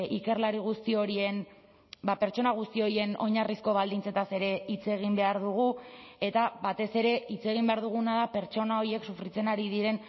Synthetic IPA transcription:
ike̞ɾlaɾiɣ̞ust̪io̞ɾie̞n | bape̞ɾt͡ʃo̞naɣ̞ust̪io̞ie̞no̞̰ɲarisko̞β̞ald̪int͡se̞t̪ase̞ɾe̞it͡se̞ɣ̞imbe̞aɾðuɣ̞ue̞t̪aβat̪e̞se̞ɾe̞it͡se̞ɣ̞imbe̞aɾðuɣ̞unaðape̞ɾt͡ʃo̞nao̞ɾie̞ksufɾit͡se̞naɾiðiɾe̞n

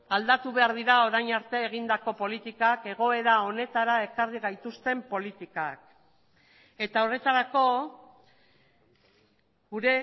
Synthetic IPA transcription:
ald̪at̪uβe̞aɾðiɾao̞ɾajɲaɾt̪e̞ːɣ̞ind̪ako̞po̞lit̪ikake̞ɣ̞o̞e̞ðao̞ne̞t̪aɾae̞kariɣajt̪ust̪e̞mpo̞lit̪ikak̚ | e̞t̪ao̞re̞t̪aɾako̞ | ɡuɾe̞

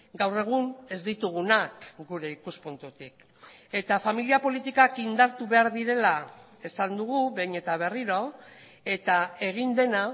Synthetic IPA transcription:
ɡawre̞ɣ̞une̞zd̪it̪uɣunakɡuɾe̞ikuspunt̪ut̪ik | e̞t̪afamiliapo̞lit̪ikakind̪aɾt̪uβe̞aɾðiɾe̞la | e̞sand̪uɣuβejɲe̞t̪aβ̞e̞riɾo̞ | e̞t̪ae̞ɣ̞ind̪e̞na

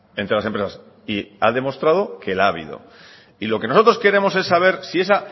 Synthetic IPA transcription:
ent̪ɾelasempɾesas | ia̰ðe̞mo̞st̪ɾað̞o̞ke̞laβḭðo̰ | ilo̞ke̞noot̪ɾo̞ske̞ɾe̞mo̞se̞sːaβ̞e̞ɾsie̞sa

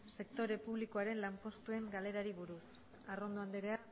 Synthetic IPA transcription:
se̞kt̪o̞ɾe̞puβ̞liko̞aɾe̞nlampo̞st̪ue̞ŋɡale̞ɾaɾiβuɾus | aro̞nd̪oand̪eɾea

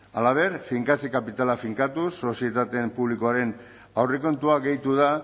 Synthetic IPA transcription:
alaβ̞e̞ɾfiŋkasikapit̪alafiŋkat̪usːo̞sie̞t̪at̪e̞mpuβlikoaɾe̞n | awreko̞nt̪uaɡe̞jt̪uða

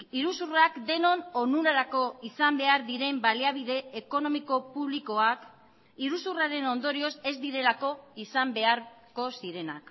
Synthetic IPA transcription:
iɾusurakd̪e̞no̞nonuɾaɾako̞isambe̞aɾðiɾe̞mbaliaβiðe̞ːko̞no̞miko̞puβliko̞ak | iɾusuraɾe̞no̞nd̪o̞ɾio̞se̞zd̪iɾe̞lako̞isambe̞aɾ | ko̞siɾe̞na̰k

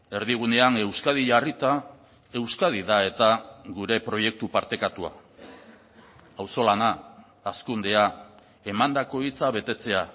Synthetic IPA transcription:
e̞ɾðiɣ̞une̞ane̞wskaðiʝarit̪a | e̞wskað̞iðae̞t̪aɣuɾe̞pɾo̞je̞k̚t̪upaɾt̪e̞kat̪ua̰ | awso̞lanaː | skund̪e̞a | e̞mand̪ako̞it͡saβ̞e̞t̪e̞t͡se̞a

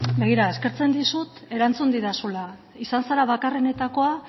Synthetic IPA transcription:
be̞ɣ̞iɾae̞ske̞ɾt͡se̞nd̪isut̪e̞ɾant͡sund̪iðasula | isansaɾaβakare̞ne̞t̪ako̞a

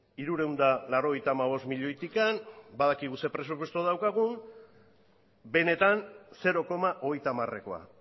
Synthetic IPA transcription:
iɾuɾe̞wnd̪alaɾo̞ɣ̞e̞jt̪aːmaβ̞o̞st̪miʎo̞jt̪ikanbaðakiɣ̞use̞pɾe̞s̬up̬we̞st̪uaðawkaɣ̞un | be̞ne̞t̪anse̞ɾo̞ko̞maʔo̞ɣ̞e̞jt̪amare̞̰ko̞a̰

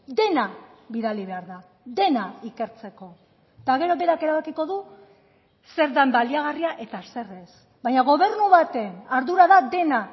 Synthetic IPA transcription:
d̪e̞na | βiðaliβe̞aɾða | d̪e̞naike̞ɾt͡se̞ko̞ | t̪aɣe̞ɾo̞βe̞ɾake̞ɾaβakiko̞ðu | se̞ɾðambaliaɣ̞ariaʔe̞t̪ase̞re̞s | bajɲaɣ̞o̞β̞e̞rnuβat̪e̞naɾðuɾaðad̪e̞na

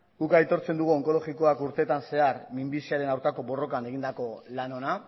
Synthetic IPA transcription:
ɡukajt̪o̞ɾt͡se̞nd̪uɣ̞uo̞ŋko̞lo̞ɣiko̞akuɾt̪e̞t̪anse̞aɾmimbisiaɾe̞nawɾkako̞bo̞ro̞kane̞ɣ̞ind̪ako̞lano̞na

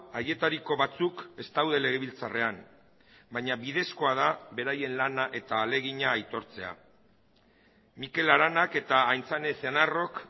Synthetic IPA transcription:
aje̞t̪aɾiko̞βat͡suke̞st̪awð̞e̞le̞ɣ̞eβilt͡sare̞an | baɲaβið̞e̞sko̞að̞aβe̞ɾaje̞nlanaʔe̞t̪aːle̞ɣ̞iɲaːjt̪o̞ɾt͡se̞a̰ | mike̞laɾanake̞t̪aːjnt͡saneθenaro̞k

